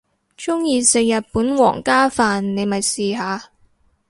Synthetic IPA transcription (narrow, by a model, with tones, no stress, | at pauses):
t͡ʃʊ˥ŋjiː˧sɪ˨ŋjɐ˨t̚puː˨˥nwɔ̰ː˨˩ŋkaː˥faː˨nne˨˧jmɐ˨jsiː˨ɦaː˨˧